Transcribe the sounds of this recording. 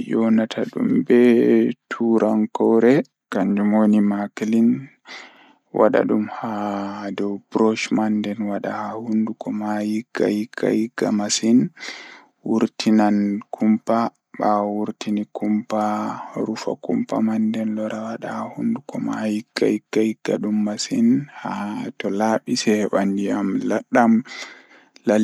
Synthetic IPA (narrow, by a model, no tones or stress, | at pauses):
jɔnatʰaɗṵmbɛtʰuɾʔaŋkɔwɾɛ | kaɲd͡ʒumonimaklin | wʔa̰ɗa̰ɗumhadɔwbɾɔʃmandɛnwaɗahahundukɔmajiɡ̥ːa̰jiɡ̥a̰jiɡːa̰masin | wuɾtinankʰumpa | ɓawuɾtinikʰumpaɾufa̰kumpa̰mandɛnlɔɾawaɗahahundukɔma̰jiɡ̥ːajiɡ̥ːahiɡ̥ːaɗumːasinhatɔlaɓisɛɓandiamlaɗːam | la